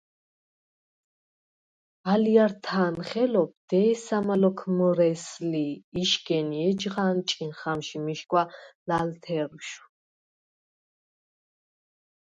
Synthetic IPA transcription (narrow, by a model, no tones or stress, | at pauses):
alijaɾt̪ʰaːnχɛlɔp̚ʰd̪̥ɛːsamalɔkʰmɔɾɛsliːʃɡɛniɛd͡ʒʁaːnt͡ʃʼinχamʃimiʃkʼwalalt̪ʰɛɾuʃu̥